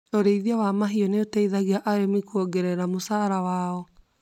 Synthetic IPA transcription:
oɾeiðiawamaɦiɔneotɛiðaɣiaʔaɾemikuɔɡɛɾɛɾamosaɾawaːɔ

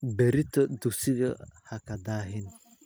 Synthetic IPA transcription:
bɛɾɪt̪ʰɐd̪ʊɡsɪɣɐhɐkʰɐd̪aːɦɪn

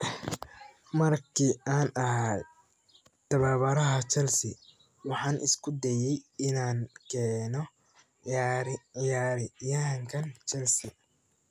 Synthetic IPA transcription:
mɐrkʰiːaːnɐɦaːj | t̪ʰɐβaːβɐɾɐɦɐt͡ʃɛlsɪ | wɑħɑːnʔɪ̰skʰʊd̪ɛjɛjɪnaːnkʰɛːnɔ | ɾɪjaːɾɪjɐɦŋkʰɐnt͡ʃʰɛlsɪ

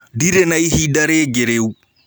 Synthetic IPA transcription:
diɾɛnajhidaɾeɡɛɾeu

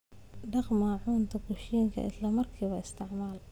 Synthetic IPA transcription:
ɖɑqmaʕuːnt̪ʰɐɡʊʃiːŋkʰɐ̰ɪ̰slɐmɐrkʰiːβɐɪst̪ʰɪʕmaːl

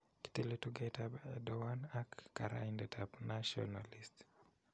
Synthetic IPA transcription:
ki̥teletuɡetabɛdɔwanakːaɾa̰indɛtʰapnaʃɔ̰nalist

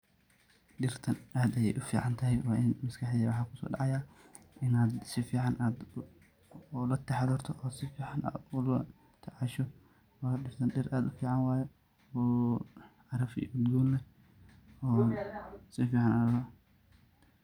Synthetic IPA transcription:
ɖɪrt̪ʰɐnʔaːd̪ɐjɛjʔʊfḭːʕɑnt̪ʰɐɦɛjwɑːʔɪnmɐskʰɐħd̪iːwɑħɑːkʰʊsɔ̰ːɖɑ̰ʕɑjaːʔɪnaːd̪sɪfiːʕɑnʔaːd̪ | lɐt̪ʰɛħad̪ɔːrt̪ʰɔʔɔːsɪfiːʕɑnʔa̰ːd̪ʊlɐ | t̪ʰɐʕɑʃɔ | wɑːɖɪrt̪ʰɐnɖɪɾʔaːd̪ʊfiːʕɑnwɑːjɛ | ɔː | ʕɑɾɐfḭːʊd̪ɡuːnlɛ | ɔː | sɪfiːʕɑnaɐ

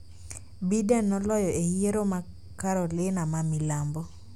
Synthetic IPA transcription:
bidɛnːɔlɔjɔejeɾoma | kaɾɔlɪnamamɪlambɔ

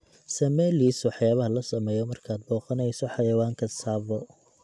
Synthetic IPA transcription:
sɐmɛːliːswɑħjaːβɐɦɐlɐsɐmɛːjɔmɐrkʰaːd̪̚bɔːqɐnɛjsɔħɑjɐwaːŋkʰɐsaːβɔ

